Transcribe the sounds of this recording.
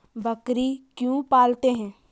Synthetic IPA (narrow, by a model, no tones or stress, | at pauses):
bɐkɾikjũpaːlt̪eɦɛ̃ː